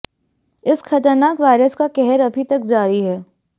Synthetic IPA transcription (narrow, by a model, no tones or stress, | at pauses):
ɪsxɐʈəɾnaːkʋaːɪɾəskakɛɦɛɾɐbʱit̪ɐkd͡ʒaːɾiɦɛː